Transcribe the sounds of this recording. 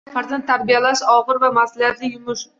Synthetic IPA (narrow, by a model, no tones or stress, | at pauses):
hʰaɾt̪ant̪ʰaɾbijalaʃɒʁɨɾvamasalijat̪lɪjʊmʊʃ